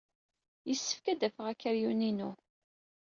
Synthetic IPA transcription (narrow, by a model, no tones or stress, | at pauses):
jəsːə̥fkæd̪æfəʁækːəɾjuninu